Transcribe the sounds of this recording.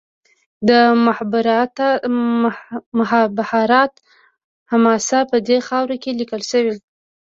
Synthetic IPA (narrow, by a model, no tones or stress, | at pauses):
d̪əmbɾt̪ | mʊhɑbahɑɾɑt̪ | hamɑsapəd̪exɑwɾokelikəlʃəwe